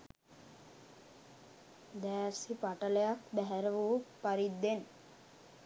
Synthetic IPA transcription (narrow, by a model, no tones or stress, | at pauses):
d̪æːɾsipaʈələjak̚bæɦæɾəʋəʋupaɾid̪ːen